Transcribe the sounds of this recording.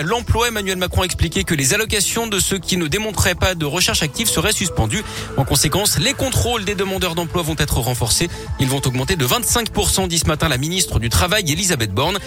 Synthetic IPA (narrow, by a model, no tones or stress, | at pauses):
lɑ̃plwaemanyɥɛlmakχɔ̃aɛksplikʲekəlezalɔkasjɔ̃d̪əsəkʲinəd̪emɔ̃t̪χɛpad̪əʁəʃɛʁʃak̚t̪ivsəʁɛsyspɑ̃d̪y | ɑ̃kɔ̃sekɑ̃slekɔ̃t̪χold̪ed̪əmɑ̃d̪œʁd̪ɑ̃plwavɔ̃t̪ɛt̪χəʁɑ̃fɔʁse | ilvɔ̃t̪ɔɡmɑ̃t̪ed̪əvɛ̃t̪sɛ̃kpuʁsɑ̃d̪isəmat̪ɛ̃laminist̪χəd̪yt̪χavajelizabɛt̪̚bɔʁn